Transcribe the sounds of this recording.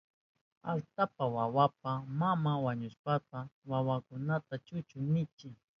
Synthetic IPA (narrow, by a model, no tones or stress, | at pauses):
alt̪apawawapamamawaɲʊʃpat̪awawakʊnat̪at͡ʃʊt͡ʃʊnɪt͡ʃɪ